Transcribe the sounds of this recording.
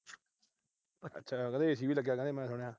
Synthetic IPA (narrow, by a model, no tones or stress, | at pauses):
ə̰tːʃʰaːkəd̪eːs̬iːʋiːləɡjaːkə̃nd̪eːmɛ̃ːsʊɽ̃ejaː